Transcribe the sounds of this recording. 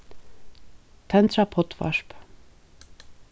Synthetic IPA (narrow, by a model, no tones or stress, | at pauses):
t̪ʰɛnt̪ɾapʰɔt̪ʰʋɑ̰ʃp